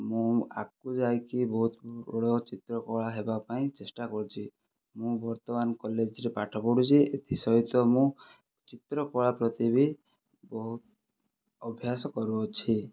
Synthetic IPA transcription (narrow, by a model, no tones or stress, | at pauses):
mũa̰kud͡ʒajkibɔɦut̪ɔɽɔt͡ʃit̪ɾɔkɔɭaɦebapaĩt͡ʃesʈakɔɾut͡ʃʰi | mũbɔɾt̪ɔmanɔkɔled͡ʒɾepaʈʰɔpɔɽut͡ʃʰiet̪ʰisɔɦit̪ɔmũ | t͡ʃit̪ɾɔkɔɭapɾɔt̪ibi | bɔɦut̪ | ɔbʱjasɔkɔɾuɔt͡ʃʰi